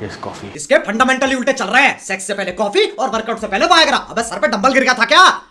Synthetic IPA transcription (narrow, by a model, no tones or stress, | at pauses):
ɛskɔ̰ːfiɪskepʰɐ̃ɳɖaːmɛ̃ːɳʈəliʊlʈet͡ʃɐlɾɐɦẽɦɛ̃ːsɛːksːepɛɦlekɔːfiɔːɾʋɐɾkəɾʈsepɛɦlebaːjaɡɐɾaɐbɛsɐɾpeɖɐ̃mbəlɡɪɾɡjat̪ʰakjaː